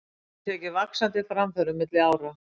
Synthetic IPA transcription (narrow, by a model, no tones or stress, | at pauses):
t̪ʰɛːcɪvaksant̪ɪfɾamfœɾʏmːɪt̪lɪaːwɾa